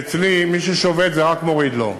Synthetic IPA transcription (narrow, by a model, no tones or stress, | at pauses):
t͡slimiʃeʃovet̪zeʁakmo̞ʁid̪lo̞̰